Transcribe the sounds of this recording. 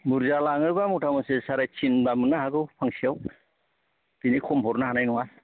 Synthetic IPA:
buɾzalaŋɯɾbamutʰamɔsesaɾajt͡ʃʰinbamɯnahaɡɯwpʰaŋsiaw | tinikʰɔmhɔɾnaɦanajnɔŋa

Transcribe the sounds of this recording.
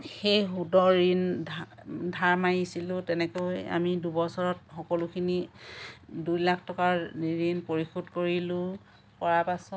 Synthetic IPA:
xejɦudɔɹin | dʱaɹmajisilʊ̃tɛnɛkoja̰midubɔsɔɹɔt̚xɔkɔlʊkʰini | dujlakʰtɔkaɹɹinpoɹixudkoɹilʊ̃ | pɔɹapasɔ

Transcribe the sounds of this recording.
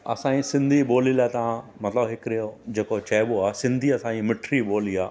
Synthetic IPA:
ɐ̰sãːĩsɪ̃nd̪ʱiboːlilaːɪt̪ɐʋ̤ãmɐt̪ləbɦɪkɾijod͡ʑeːkot͡ɕɐːɪboaːsɪ̃nd̪ʱiɐsãːimɪʈʰɾiɓoːliaː

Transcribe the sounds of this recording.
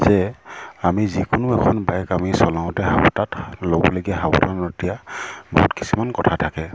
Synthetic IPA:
zɛamizikʊnʊɛkʰɔnbajkamisɔlãʊ̃tɛɦabɔtatlobɔloɡiɛɦawɔ̰tanɔtijabɔ̰ɦutki̥simankɔtʰatʰakɛ

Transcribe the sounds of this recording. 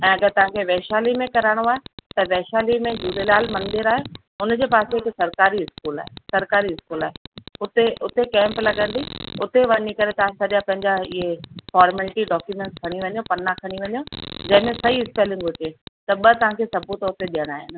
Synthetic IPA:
ɛ̃ːɐɡəɾt̪ɐʋ̤ãkʰeʋɛːʃaːlimẽkɐɾaːɪɽ̃oaːɦet̪ɐʋɛːʃaːlimẽd͡ʑuːɾelaːlmɐ̃nd̪ɪɾaːɦe | ʊnd͡ʑeːpaːsɪksɐɾkaːɾiɦɪskuːla̰ːɦesɐɾkaːɾiɪskuːlaːɦeʊt̪eʔʊt̪ekɛ̃ːmplɐɠə̃nd̪iʊt̪eʋɐnikɐɾet̪ɐʋãsɐɾijãpɐ̃ɦɪ̃ɲd͡ʑaɪɦefɔːɾmɛːlʈiɖɔːkjumɛ̃ɳʈskʰɐɽ̃iʋɐɲjõpɐnːãkʰɐɽ̃iʋɐɲjõd͡ʑɐ̃ɦɪ̃mẽsɐiɪspeːlɪ̃ŋɡɦʊt͡ɕet̪ɐɓɐt̪ɐʋ̤ãkʰesɐbʱut̪oʊt̪eɗijəɽ̃aːɦɪnɪ̆

